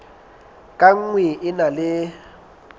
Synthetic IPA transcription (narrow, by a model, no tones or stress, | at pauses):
kʼaŋ̩ŋwɪʔɪnalɪ